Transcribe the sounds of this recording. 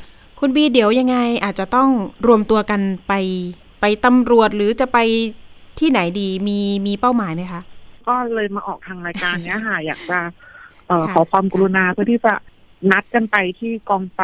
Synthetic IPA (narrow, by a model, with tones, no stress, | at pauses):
kʰu˧nbiː˧di˩˦əwja˧ŋːa˧jʔaː˨˩t̪̚t͡ɕa˨˩t̪ɔ˥˩ŋɾu˧əmt̪u˧ɐka˧npa˧j | pa˧jt̪a˧mɾu˨˩ət̪̚ɾɯː˩˦t͡ɕa˨˩pa˧jt̪ʰiː˥˩na˩˦jdiː˧miː˧miː˧pa˥˩wmaː˩˦jma˦˥jkʰa˦˥ʔkɔː˥˩lɤː˧jmaː˧ʔɔː˨˩k̚t̪ʰaː˧ŋɾaː˧jkaː˧nːi˦˥ɐka˥˩jaː˨˩k̚t͡ɕa˨˩ʔɤː˨˩kʰɔː˩˦kʰwaː˧mka˧ɾu˧naː˧pʰɯ˥˩ət̪ʰiː˥˩t͡ɕa˨˩ | na˦˥t̪̚ka˧npa˧jt̪ʰiː˥˩kɔː˧ŋfa˨˩